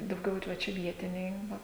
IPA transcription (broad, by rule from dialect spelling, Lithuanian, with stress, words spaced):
dɐʊˈɡʲɛʊ ɪr ˈʋɐ ˈt͡ʃʲɛ ˈʋʲiɛtʲɪnʲɛɪ ˈʋɐ